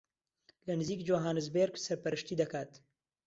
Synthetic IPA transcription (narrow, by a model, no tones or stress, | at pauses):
lɐnɨziːkd͡ʒoːɦaːnɨzbeːɾksɐɾpɐɾɨʃt̪iːd̪ɐkaːt̪